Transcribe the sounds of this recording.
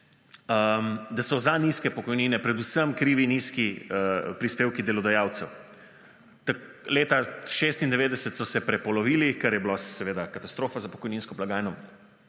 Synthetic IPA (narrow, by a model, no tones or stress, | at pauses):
əmd̪asɔzaniːskɛpɔkɔjniːnɛpɾɛd̪usəmkɾiːʋiniːskiəpɾispeːwkid̪ɛlɔd̪ajaːwt̪sɛw | t̪aleːt̪aʃeːst̪ind̪ɛʋeːd̪ɛsət̪sɔsɛpɾɛpɔlɔʋiːlikaɾjɛbilassɛʋeːd̪akat̪ast̪ɾoːfazapɔ̥kɔjniːnskɔplaɡaːjnɔ